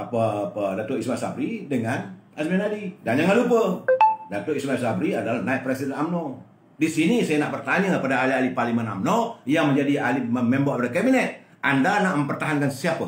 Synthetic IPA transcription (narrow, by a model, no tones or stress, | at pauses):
apəpədat̪uismasa̰fɾidəŋanasmɛnadidaɲaŋalupədat̪uismasafɾiadalanaiʔ̚pɾesidɛnamno | disinisajanaʔbərt̪aɲakəpadaːlialiparlimana̰mnojaŋməɲd͡ʒadialimmɛmboabdakabinɛt̪̚ | andanaʔməmpərt̪aɦankansiapə